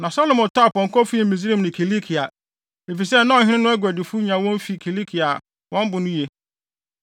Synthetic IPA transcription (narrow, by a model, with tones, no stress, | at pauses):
nã˨sa˦lɔ̃˨mɔ̃˨tʰa˦˨pɔ̃˨ŋ˨kɔ˦fi˦˨mĩ˨s̬ɾĩ˦m˨nʊ̃˨kʰi˨li˦kʰi˨a˨ | e˨fi˨sɛ˦nã˦˨hɪ̃˦nɪ̃˦nʊ̃˦æ˦ɡʷæ˨dɪ˨fu˦ɲã˨˦wɔ̃˦m˦fi˨kʰi˨li˦kʰi˨a˨ | wʔɔ̃˦m˦bʊ˨nʊ̃˦je˨